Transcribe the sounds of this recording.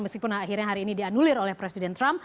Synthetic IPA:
məskipʊnaɦirɲaɦaɾiːnidianulɪɾolɛhpɾesidɛnt̪ɾamp

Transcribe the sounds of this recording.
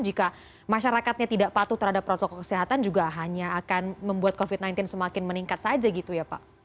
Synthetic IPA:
d͡ʒika | maʃaɾakat̪̚ɲat̪idaʔpat̪ut̪əɾɦadapːɾot̪ɔkɔkə̥siɦat̪and͡ʒuɡaɦaɲaːkanməmbuat̪̚kofɪt̪najnt̪ɪnsəmakɪnməniŋkat̪̚sad͡ʒaɡit̪ujapa̰ʔ

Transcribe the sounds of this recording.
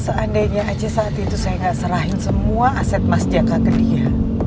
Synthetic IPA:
səʔandaɲaʔːt͡ʃɛsaːt̪it̪usajaŋɡaʔsəɾaɦɪnsəmuaʔasɛt̪̚masd͡ʒakakədia

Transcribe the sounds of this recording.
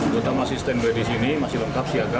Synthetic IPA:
d̪ot̪amasist̪ɛnbadisinimasɪhləŋkap̚siaɡa

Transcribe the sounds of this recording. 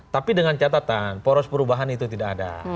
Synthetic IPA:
t̪apidəŋant͡ʃat̪at̪anpoɾɔspəɾubaɦanit̪ut̪idakada̰

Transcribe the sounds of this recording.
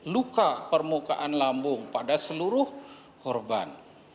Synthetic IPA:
lukapərmuka̰ʔanlambʊŋpadasəluɾʊh | kɔrba̰n

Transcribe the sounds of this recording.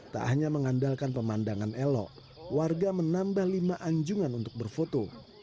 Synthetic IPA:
t̪a̰ʔahɲaməŋandalkanpəmandaŋanelɔ̰ʔ | warɡamənambahlimaʔaɲd͡ʒuŋanunt̪ʊk̚bərfot̪o

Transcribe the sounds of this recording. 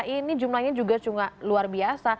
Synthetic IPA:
inid͡ʒumlaɲad͡ʒuɡat͡ʃuŋaʔluarbiasa

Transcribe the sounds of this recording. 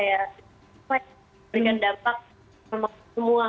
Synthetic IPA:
ja | a | ɾikandampak̚ | ama | əmua

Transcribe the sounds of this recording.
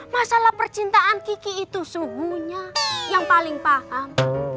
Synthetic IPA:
masalahpərt͡ʃint̪aʔankikiːt̪usubuɲajaŋpalɪŋpaham

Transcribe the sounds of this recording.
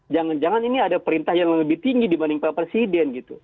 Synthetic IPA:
d͡ʒaŋand͡ʒaŋaniniadapəɾint̪ahjaŋŋləbɪht̪iŋɡidibanɪŋpapɾesidɛnɡit̪u

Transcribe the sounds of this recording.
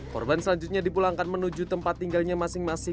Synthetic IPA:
kɔ̰rbansəlaɲd͡ʒut̪̚ɲadipulaŋkanmənud͡ʒut̪əmpat̪ːiŋɡalɲamasɪŋmasɪ

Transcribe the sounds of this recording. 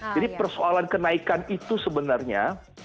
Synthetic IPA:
d͡ʒadipərsoalankənaikanit̪usəbənarɲa̰

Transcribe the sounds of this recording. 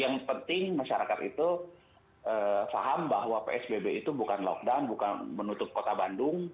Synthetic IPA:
jaŋpənt̪ɪŋmaʃaɾakat̪ḭt̪u | əfa̰ɦambaɦwapḛɛsbebeit̪ubukanlɔ̰k̚dawnbuka̰nmənut̪ʊp̚kot̪abandʊŋ

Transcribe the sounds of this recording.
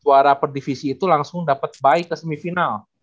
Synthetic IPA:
uaɾapərdifisiːt̪ulaŋsʊŋdapat̪̚baɪkːəsəmifinal

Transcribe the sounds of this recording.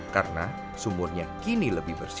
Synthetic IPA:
ka̰rəna | sumʊrɲakiniləbɪhbərs

